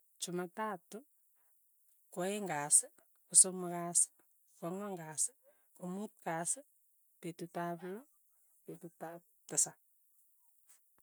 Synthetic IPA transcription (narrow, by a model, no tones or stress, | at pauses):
t͡ʃumatatu | koeŋɡas | kusomukas | kɔŋɔŋɡas | kumut̚kas | petutaplɔ | petutap | tasa